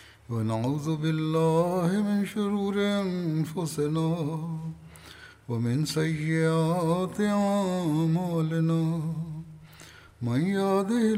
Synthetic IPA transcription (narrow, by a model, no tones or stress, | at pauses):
wanaʕuːðʊbɪlːaːhɪmɪnʃʊɾuːɾɪʔanfʊsɪnaː | wamɪnsajːɪʔaːt̪ɪʕamaːlɪnaː | manjaːd̪ɪh